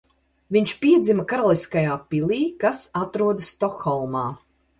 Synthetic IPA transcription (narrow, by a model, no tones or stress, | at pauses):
viɲt͡ʃpiɛd̪zimɐkaɾalˠiskajaːpilˠiːkasat̪ɾuɔd̪st̪ɔxɔlˠmaː